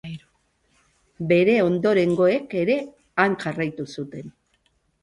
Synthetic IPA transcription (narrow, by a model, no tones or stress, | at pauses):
be̞ɾe̞o̞nd̪o̞ɾe̞ŋɡo̞e̞ke̞ɾe̞ | aŋʝarajt̪usut̪e̞n